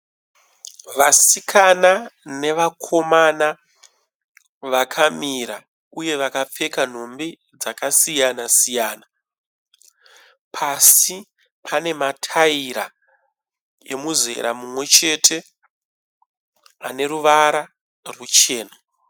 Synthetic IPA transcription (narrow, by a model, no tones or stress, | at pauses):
ʋasikʰanane̞ʋakʰo̞mana | ʋakʰamiɾa | uje̞ʋakap͡fe̞kan̤o̞mbi | d͡zakasijanasijaːna | pʰasi | pʰane̞matʰaiɾa̰ | e̞̰muze̞̰ɾa̰mumwe̞t͡ʃe̞ːtʰe̞ | ane̞ɾuʋaɾa | rut͡ʃe̞ːna